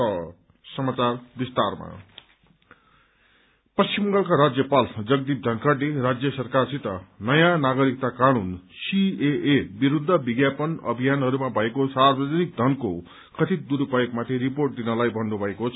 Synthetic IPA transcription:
ʌ | sʌmat͡sarbist̪arma̰ | pʌst͡simʌŋɡʌlkaɾad͡zjʌpald͡zʌɡd̪ip̚d̪ʱʌŋkʰaʈleɾad͡zjʌsʌrkarsit̪ʌnʌjanaɡʌɾik̚t̪akanunsieʔebiɾud̪ʱːʌbiɡjapʌnʌ̰bʱijanɦʌɾumabʱʌekosarbʌd͡zʌnik̚d̪ʱʌnko | kʌt̪ʰid̪uɾupajokmat̪ʰiɾiporʈ̚d̪inʌlajbʱʌnːubʱʌekot͡sʰ

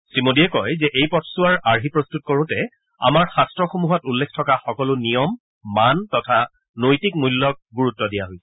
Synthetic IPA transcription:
sɹimodiɛkɔjzɛʔejpɔtʰsuaɹaɹɦipɹostut̚koɹʊ̃tɛ | a̰maɹxastɹɔxumuɦɔtulːekʰtʰɔkaxɔkɔlʊnijɔmː | antɔtʰa | nojtik̚mulːɔk̚ɡuɹutːɔdijaɦojsɛ

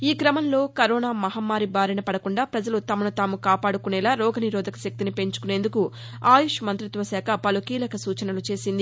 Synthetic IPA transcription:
iːkɾɐmɐnlo̞ːkɐɾɔːnaːmɐɦɐmːaːɾibʱaːɾinɐpɐɽɐkuɳɖaːpɾɐd͡ʒɐlut̪ɐmɐnut̪aːmukaːpaːɽukunɛlaːɾɔːɡɐniɾɔːd̪ɐkɐ̥sɐk̚t̪inipe̞ɲt͡ʃu̥kune̞ːnd̪uku | aːjuʂɐmɐnt̪ɾit̪ʋɐsaːkʰɐpɐlukiːlɐkɐsuːt͡ʃɐnɐlut͡ʃe̞ːsind̪i

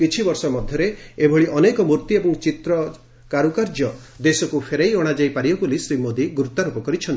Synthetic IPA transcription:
kit͡ʃʰibɔɾsɔmɔd̪ʱjɔɾeebʱɔɭiʔɔnekɔmuɾt̪iebɔŋt͡ʃit̪ɾɔ | kaɾukaɾd͡ʒɔ | d̪esɔkupʰeɾajɔɽ̃ad͡ʒajpaɾiɔkulisɾimod̪iɡɾut̪aɾupɔkɔɾit͡ʃʰɔnt̪i̥

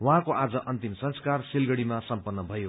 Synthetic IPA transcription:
wʌ̃ɦãkoʔad͡zʌʔʌnt̪imsʌ̃nskarsilɡʌɽimasʌmpʌnːʌbʱʌjo

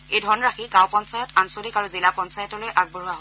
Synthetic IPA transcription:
ejdʱɔɹnɔɹaxikawpɔnsajɔtansodikaɹuzilapɔnsajɔtɔlojʔaɡ̚boɹuwaɦo

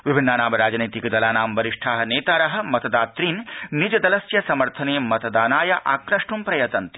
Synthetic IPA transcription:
ʋibʱinːaːnaːmɐɾaːd͡ʒniːt̪ikɐd̪ɐlaːnaːmʋɐɾiʂʈʰaːɦɐ̆neːt̪aːɾɐɦɐ̆mɐt̪ɐd̪aːt̪ɾiːnnːid͡ʒɐd̪ɐlɐsjɐsɐmɐɾt̪ʰɐneːmɐt̪ɐd̪aːnaːjɐʔa̰ːkɾɐʂʈumpɾɐjɐt̪ɐnt̪i̥

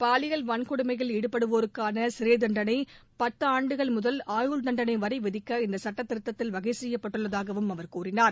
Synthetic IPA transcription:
paːlɪɣɐɭʋɐnkɔɽɯmɐɪɣɐɭɛɽɯpːɐɽɯʋoːɾɯkːaːnɐsɪɾeːðɐɳɖɐnɐɪpɐt̪ːaːɳɖɯɣɐɭmʊðɐlaːjuːlnɐɳɖɐnɐɪʋɐɾɐɪʋɪðɪkːɐɪnd̪ɐsɐʈːɐt̪ːɪɾɯt̪ːɐt̪ːɪlʋɐɣɐɪsɛjːɐpːɐʈːɯɭːɐðaːɣɐʋɯmɐʋɐɾkuːrɪnaːɾ

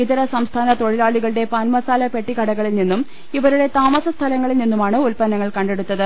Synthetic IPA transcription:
it̪ɐɾɐsɐmst̪ʰaːnɐt̪o̞ɻilaːɭiɣɐɭɨɽe̞pɐːnmɐsaːlɐpe̞ʈːikɐɽɐɣɐɭilninːum | iʋɐɾuɽe̞t̪aːmɐsɐst̪ʰɐlɐŋːɐɭilninːumaːɳɨulpɐnːɐŋːɐɭkɐɳɖeɽut̪ːɐðɨ

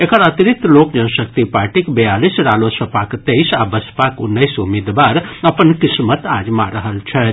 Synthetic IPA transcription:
ekəɾət̪iɾikt̪ːloːkd͡ʒɐnsəkt̪ipaːɾʈikbɐjaːlisɾaːlosɐpaːkt̪ejsabəspaːkʊnːəjsumeːd̪ʋaːɾɐpənkɪsmət̪aːd͡ʒmaɾəɦəlt͡ʃʰɛ

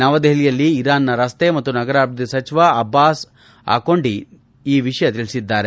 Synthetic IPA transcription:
nɐʋɐd̪eɦlijɐlːiːɾaːnːɐɾɐst̪e̞mɐt̪ːunɐɡɐɾaːɾbɐd̪isɐt͡ʃiʋaɐbːaːs | a̰ːko̞ɳɖi | iːʋiʂɐjɐt̪iɭisid̪ːaːɾe̞

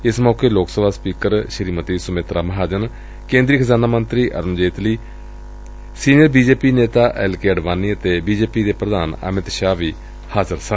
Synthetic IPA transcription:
ɪsmɔːkeːloːksəbaːspiːkəɾʃəɾiːmət̪iːsʊmeːt̪ɾaːməɦaːd͡ʒən | kẽːnd̪ɾiːkʰəzaːnaːmənt̪ɾiːʔə̰ɾmd͡ʒeːt̪liː | siːnɪjəɾbiːd͡ʒeːpiːneːt̪aːʔɛːlkeːəɖʋaːniːət̪eːbiːd͡ʒeːpiːd̪eːpɾəd̪aːnə̰mɪt̪ʃaːʋiː | haːzəɾsə

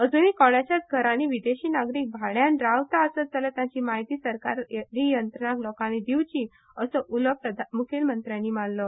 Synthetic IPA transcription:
əd͡zuniːkɔɽ̃at͡ɕjat͡sɡʱəɾaniʋid̪eɕiːnaɡɾiːk̚bʱaɭjanɖɾawt̪aəsət̪̚d͡zalət̪jãt͡ɕiːmaɦit̪iːsəɾkaɾjdijənt̪ɾənaklɔkaned̪iwt͡ɕiː | əsɔʔuləpɾəd̪ʱamukʰelmənt̪ɾjanːiːmanlɔ

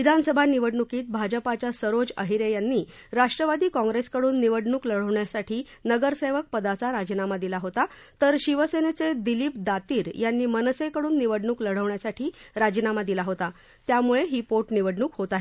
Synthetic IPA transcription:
ʋid̪ʱanəsəbʱaniʋəɽɳukiːt̪̚bʱad͡ʑəpat͡ɕjasəɾod͡zə̰ɦiɾejanːiː | ɾaʂʈɾəʋad̪ʱiːkɔ̃ŋɡɾeskəɽuːnːiʋəɽɳuːkləɽ̤əʋɳjasaʈʰiːnəɡəɾseʋək̚pəd̪at͡saɾad͡ʑnamad̪ilaɦot̪a | t̪əɾɕiʋəsenet͡sed̪iliːp̚d̪at̪iːɾjanːiːmənsekəɽuːnːiʋəɽɳuːkləɽ̤əʋɳjasaʈʰiːɾad͡ʑnamad̪ilaɦot̪a | t̪jamuɭeɦiːpoʈniʋəɽɳuːkɦot̪aɦe

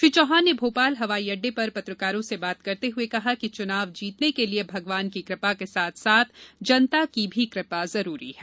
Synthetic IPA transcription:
ʃɾiːt͡ʃɔːɦaːnːebʱoːpaːlɦɐʋaːiɐɖːepɐɾpɐt̪ɾəkaːɾõsebaːt̪kɐɾt̪eɦʊekɐɦakit͡ʃʊnaːʋd͡ʒiːt̪nekeliebʱɐɡʋaːnkikɾɪpakesaːt̪ʰsaːt̪ʰd͡ʒɐnt̪akibʱikɾɪpazɐɾuːɾḭɦɛː

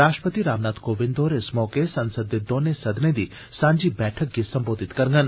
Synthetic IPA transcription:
ɾaːʃʈəpət̪iɾaːʋnaːt̪koːʋɪnd̪oːɾesmɔːkesɐnsəd̪ːed̪oːnesɐd̪ned̪i | sãːɲd͡ʒibɛʈʰək̚ɡisɐmboːd̪ʱit̪kɐɾŋɡən

